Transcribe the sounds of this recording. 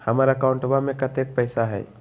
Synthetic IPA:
hɐmaːɾaəkaʊ̃ɳʈəbamẽkɐt̪eːk̚pɛɪsaɦɛ̰ː

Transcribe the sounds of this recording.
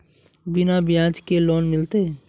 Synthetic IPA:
bɪnabɪjãːd͡ʒkeloːnmɪlt̪e

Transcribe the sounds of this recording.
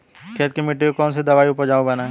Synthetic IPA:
kʰeːt̪̚kimɪʈːikokɔːnsed̪ɐʋaːiʊpəɾd͡ʒaːũbɐnaɛ

